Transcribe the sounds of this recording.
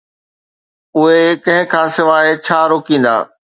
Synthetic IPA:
ʊɦekɐ̃ɦɪ̃kʰãːsɪʋaːet͡ɕʰaːɾoːkĩːn̆d̪a̰ː

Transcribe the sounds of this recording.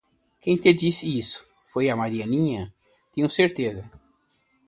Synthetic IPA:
kẽj̃t̪ed͡ʒisɪisʊ̥ | fojɐmaɾiɐnĩɲɐ | t̪ẽɲʊ̃seɾt̪ezɐ

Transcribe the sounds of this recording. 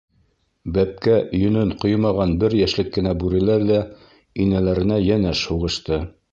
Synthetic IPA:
bæp̚kæjɵ̆nɘnqojmɑʁɑnbɘɾjæʃlɘkːɘ̆næbʉɾɘ̆læɾðæ | inælæɾɘ̆næjænæʃhuʁɤ̆ʃt̪ɤ

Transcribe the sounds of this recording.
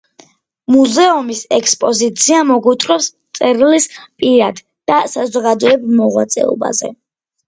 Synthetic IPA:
muzɛɔmisɛkspʼɔzit̪sʰiamɔɡut̪ʼɾwɛpst̪sʼɛɾilispʼiɾad̪̥ | d̪̥asazɔɡad̪ɔɛbmɔʁwa̰t̪sʼɛ̰ɔ̰ba̰zɛ̰

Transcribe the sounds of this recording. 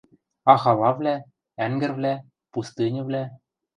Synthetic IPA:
ɑxɑlˠɑvlʲæ | æŋɡɘ̆rvlʲæ | pust̪ɨnʲɤ̆vlʲæ

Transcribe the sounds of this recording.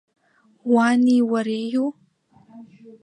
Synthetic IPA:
waːniwɐɾeːju

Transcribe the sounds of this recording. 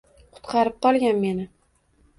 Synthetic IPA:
qʰʊ̥t̪qʰɑɾɪp̚qʰɒlˠɡʲanme̞nɪ

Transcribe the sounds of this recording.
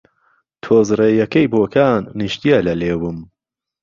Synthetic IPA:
t̪ʰoːzrejɐkɐjboːkʰaːnːɨʃt̪ijalɐleːwɨm

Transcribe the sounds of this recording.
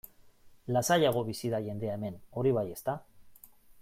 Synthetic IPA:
lasajaɣ̞o̞βisiðaʝe̞nd̪e̞ae̞me̞no̞ɾiβ̞aje̞st̪a

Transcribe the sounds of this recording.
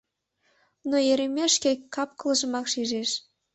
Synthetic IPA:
nojeɾʲemʲeʃkʲekːɑp̚kɤ̆lˠɤ̆ʒə̆mɑkʃiʒeʃ

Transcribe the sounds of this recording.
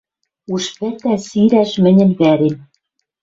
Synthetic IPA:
uʃpɘ̆t̪æsiɾæʃmɘ̆nʲɘ̆nβæɾem

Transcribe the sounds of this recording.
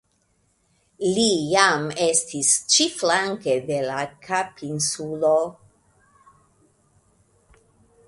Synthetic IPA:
lijamestʰist͡ʃiflaŋkedelakʰapinsulo

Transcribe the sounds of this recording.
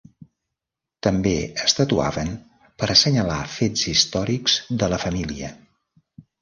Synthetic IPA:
t̪əmbeəst̪ət̪ua̰βən | pəɾsəɲəlafed͡zist̪ɔɾikz̥ðələfəmiliə

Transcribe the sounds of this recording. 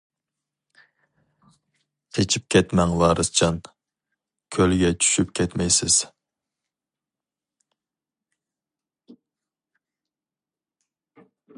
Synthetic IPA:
kʰet͡ʃʰip̚kʲʰɛt̪mɛŋwɑːɾɨst͡ʃʰɑn | kʲʰølɡʲɛt͡ʃʰy̥ʃypkʲʰɛt̪mɛjsɪz̥

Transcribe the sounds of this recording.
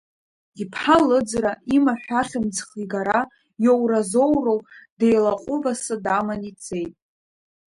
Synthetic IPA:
ipʰħalɨd͡zraimaħʷᶣaχʲɪmd͡zχiɡaɾa | jowrazo̞wrowdejlaqʼʊvasɨdamanit͡sʼe̞jtʼ

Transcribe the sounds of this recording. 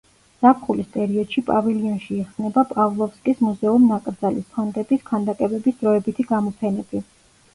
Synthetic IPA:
z̥apʰχulist̪ʼɛɾiɔd̪̥ʃipʼaviliɔnʃiɛχsnɛbapʼavlˠɔfskʼismuzɛumnakʼɾd̪zalispʰɔnd̪ɛbiskʰand̪akʼɛbɛbisd̪ɾɔɛbit̪ʰiɡamɔpʰɛnɛb̥i

